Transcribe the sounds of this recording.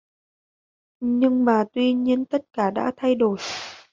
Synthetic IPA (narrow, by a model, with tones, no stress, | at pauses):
ɲɨ˧ŋmaː˨˩t̪wi˧ɲi˧ənt̪ə˦˥t̚kaː˧˩ɗa̰ː˧˥t̪ʰa˧jɗo˧˩j